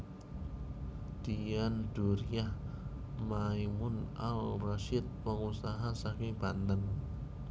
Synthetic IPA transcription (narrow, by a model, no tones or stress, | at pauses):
d̪̥ijand̥uɾiah | maimʊna̰lraʃɪt̪̚pəŋusaɦasakɪŋb̥ant̪ən